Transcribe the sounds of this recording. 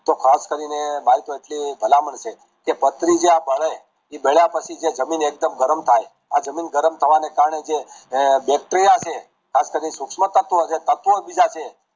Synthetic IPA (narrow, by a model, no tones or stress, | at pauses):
t̪okʰaskəɾinemaɦit̪oeʈlibʱəlaməɳʃe | kepət̪ɾid͡ʒeabʱəɭe | ibeɭjapət͡ʃʰid͡ʒed͡ʒəminek̚d̪əmɡəɾəmt̪ʰaj | ad͡ʒəminɡəɾəmt̪ʰəʋanekaɾɳed͡ʒebɛk̚ʈɾɾijat͡ʃʰe | kʰaskəɾinesʊkʃmət̪ːət̪ʋoəset̪ət̪ʋobid͡ʒat͡ʃʰe